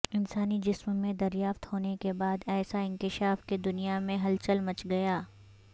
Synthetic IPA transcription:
ɪnsaːnid͡ʒɪsmmẽd̪ɐɾjaːft̪hoːnekebaːd̪ɛːsaɪ̃ŋkɪʃaːfked̪ʊnijamẽɦɐlt͡ʃəlmɐt͡ʃɡɐjaː

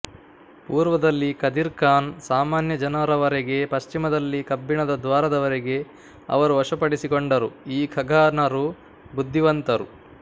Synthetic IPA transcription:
puːɾʋɐd̪ɐlːikɐd̪iɾkaːnsaːmaːnjɐd͡ʒɐnɐɾɐʋɐɾeɡe̞pɐʃt͡ʃimɐd̪ɐlːikɐbːiɳɐd̪ɐd̪ʋaːɾɐd̪ɐʋɐɾeɡe̞ | ɐ̰ʋɐɾuʋɐʂɐpɐɽisikoɳɖɐɾuiːkʰɐɡʱaːnɐɾu | bud̪ʱːiʋɐnt̪ɐɾṵ

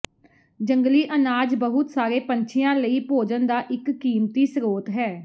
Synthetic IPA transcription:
d͡ʒəŋɡliːʔənaːd͡ʒbəɦʊt̪saːɾeːpəɲt͡ʃʰɪjãːləiːpoːd͡ʒənd̪aːʔɪkːiːmt̪iːsɾoːt̪ɦɛː

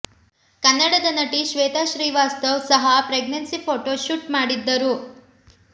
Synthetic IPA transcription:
kɐnːɐɽɐd̪ɐnɐʈiʃʋeːt̪aːʃɾiːʋaːst̪ɐʋsɐɦɐpɾeɡnɐnsipʰoːʈoːʃuʈmaːɽid̪ːɐɾu

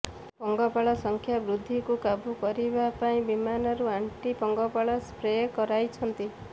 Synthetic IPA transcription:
pɔŋɡɔpaɭɔsɔŋkʰjabɾud̪ʱːikukabukɔɾibapaĩbimanɔɾuaɳʈipɔŋɡɔpaɭɔspɾejkɔɾajt͡ʃʰɔnt̪i

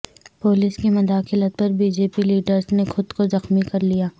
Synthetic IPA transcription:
poːlɪskimɐd̪aːxɪlət̪̚pɐɾbiːd͡ʒeːpiliːɖəɾznexʊd̪kozɐxmikɐɾlijaː

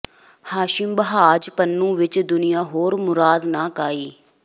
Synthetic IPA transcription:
haːʃɪmbəɦaːd͡ʒpənːũːʋɪt͡ʃd̪ʊnɪjãːɦoːɾmʊɾaːd̪naːkaːiː

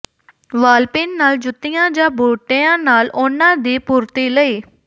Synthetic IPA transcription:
ʋaːlpɪːnːaːld͡ʒʊt̪ːɪjãːd͡ʒãːbʱuːʈeːãːnaːlʊnãːd̪iːpuːɾt̪iːləiː

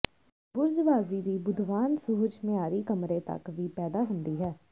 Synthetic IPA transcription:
bʊɾzʋaːziːd̪iːbʊd̪ʱʋaːnsʊɦʊd͡ʒmẽaːɾiːkəmɾẽːt̪ə̰kʋiːpɛːd̪aːɦʊnd̪iːɦɛː

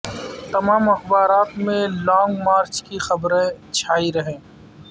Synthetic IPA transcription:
t̪ɐmaːmɐxbaːɾaːt̪mẽlɔːŋɡmaːɾt͡ʃkixɐbɾẽt͡ʃʰaːiɾɐɦẽː

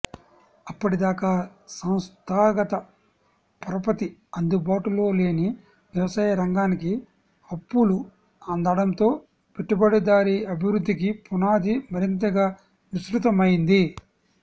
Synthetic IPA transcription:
ɐpːɐʈid̪aːkaːsɐ̃w̃st̪ʰaːɡɐt̪ɐ | pɐɾɐpɐt̪iɐnd̪ubaːʈulo̞ːle̞ːni | ʋjɐʋɐsaːjɐɾɐŋɡaːniki | ɐpːulu | and̪ɐɽɐnt̪o̞ː | piʈːɐbɐɽɐd̪aːɾiɐbʱiʋɾud̪ːikipunaːd̪imɐɾint̪ɐɡaː | ʋisɾut̪̬ɐmɐjind̪i

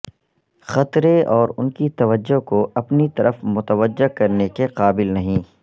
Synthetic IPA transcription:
xɐt̪ɾeɔːɾʊnkit̪ɐʋəd͡ʒːokoʔɐpnit̪ɐɾəfmʊt̪əʋəd͡ʒːekɐɾnekeqaːbɪlnɐɦĩː

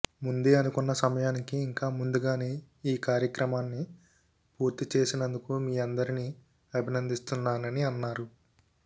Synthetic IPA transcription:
mund̪eːɐnukunːɐsɐmɐjaːnikiːŋkaːmund̪uɡaːne̞ː | iːkaːɾjɐkɾɐmaːnːi | puːɾt̪it͡ʃe̞ːsinɐnd̪ukumiːɐnd̪ɐɾini | ɐbʱinɐnd̪ist̪unːaːnɐniɐnːaːɾu

